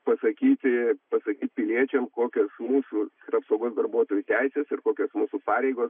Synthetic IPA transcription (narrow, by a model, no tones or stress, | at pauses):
pɐsɐkʲiːt̪ʲpɐsɐkʲiːt̪̚ʲpʲɪlʲiɛt͡ʃʲɛmkoːkʲoːsmuːsuː | rɐpsɐʊɡoːsd̪ɐɾbuɔt̪oːjuːt̪ʲæɪsʲɛsɪɾkoːkʲoːsmuːsupɑːɾʲɛɪɡoːs